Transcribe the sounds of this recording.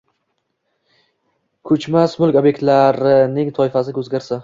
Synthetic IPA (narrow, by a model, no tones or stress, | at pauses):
kʰɵt͡ʃmasmʊlˠkʲɒbje̞k̚ʲt̪laɾɪnɪŋt̪ʰɒɪfasɪkʰʲɵzɡʲaɾsa